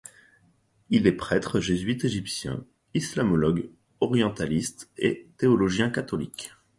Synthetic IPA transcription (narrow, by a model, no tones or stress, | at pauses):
ilɛpχɛt̪χəʒezɥit̪eʒipsjɛ̰̃ | islamɔlɔɡ | ɔʁjɑ̃t̪alist̪et̪eɔlɔʒjɛ̃kat̪ɔlḭk